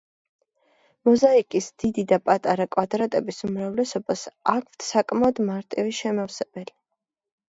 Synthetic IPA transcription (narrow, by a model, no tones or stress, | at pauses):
mɔzaikʼisd̪̥id̪id̪apʼat̪ʼaɾakʼwad̪ɾat̪ʼɛbisumɾavlɛsɔbasakʰft̪ʰsakʼmaɔd̪maɾt̪ʼiviʃɛmafsɛb̥ɛli